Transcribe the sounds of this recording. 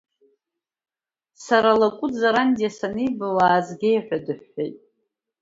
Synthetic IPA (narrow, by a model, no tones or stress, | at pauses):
saɾalakʷʼʊd͡zaɾandijasanɨjbawaːzɡʲejħʷᶣadɨħːejtʼ